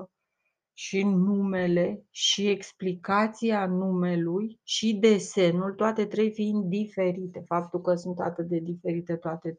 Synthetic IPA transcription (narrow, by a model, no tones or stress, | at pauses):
ʃinume̞le̞ʃie̞ksplikat̪sianume̞lujʃid̪e̞se̞nult̪oat̪e̞t̪ɾejfind̪̚d̪ife̞ɾit̪e̞fap̚t̪ulkəsunt̪a̰t̪ɨt̪̚d̪e̞d̪ife̞ɾit̪e̞t̪oat̪e̞